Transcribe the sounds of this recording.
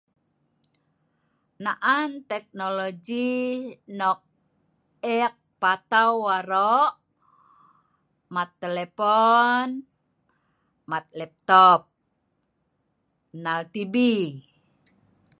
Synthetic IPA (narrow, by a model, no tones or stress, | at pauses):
naʔant̪ɛk̚nolod͡ʒi | nɔk̚ | ɛk̚pat̪awwaɾɔʔ | mat̪ːɛlɛpɔn | mat̪̚lɛp̚t̪ɔp̚ | nalt̪ibi